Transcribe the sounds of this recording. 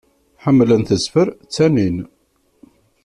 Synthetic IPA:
ħəmːlənθəzfəɾt͡sːænin

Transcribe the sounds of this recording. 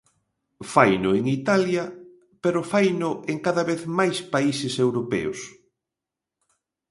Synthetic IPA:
fajnʊeŋit̪aljɐ | peɾʊfajnʊeŋkaðaβeθmajspaisɪsewɾopɛ̰ʊs

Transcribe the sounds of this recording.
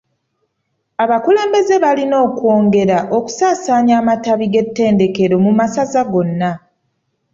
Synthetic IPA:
aβakule̞ːmbe̞ze̞βalino̞ːkwo̞ːŋɡe̞ɾaʔo̞ku̥saːsaːɲaːmataβiɡe̞tːe̞ːnde̞ke̞ɾo̞mumasazaɡo̞nːa

